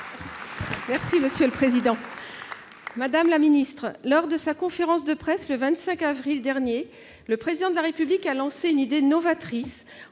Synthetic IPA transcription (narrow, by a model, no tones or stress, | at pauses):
mɛʁsiməsjøləpχezid̪ɑ̃ | mad̪amlaminist̪χlɔʁd̪əsakɔ̃feʁɑ̃sd̪əpχɛsləvɛ̃t̪sɛ̃kavʁild̪ɛʁnje | ləpχezid̪ɑ̃d̪əlaʁepyblikalɑ̃seynid̪enɔvat̪χis